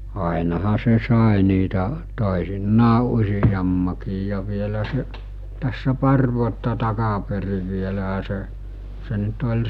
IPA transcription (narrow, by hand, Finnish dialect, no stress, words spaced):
ɑˑenɑhɑ se sɑˑe niːtæ toˑesinːɑː usijɑmːɑkiːj jɑ ʋielæ se tæsːæ pɑr ʋuotːɑ tɑkɑperi ʋielæɦæ se se nyt olʲ